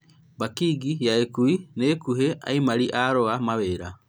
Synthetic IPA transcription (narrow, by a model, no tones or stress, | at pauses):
bakiɡijaekuineːkuɦeʔa̰imaɾiʔaɾoamaβeɾa